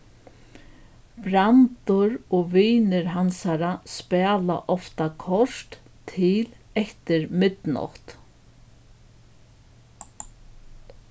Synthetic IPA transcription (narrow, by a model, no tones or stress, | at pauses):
pɾant̪ʊɾɔʋiːnɪɾɦansaɾaspɛːla̰ʔɔft̪akʰɔʂt̪ʰː | ɪlɛht̪ɪɾmɪt̪nɔ̰ht̪